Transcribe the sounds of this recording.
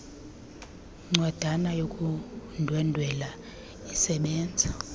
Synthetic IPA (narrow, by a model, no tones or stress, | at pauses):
ŋ͡ǀwad̥ʱanajokʼundʱwɛndʱwɛla | isɛɓɛːnd͡zʱa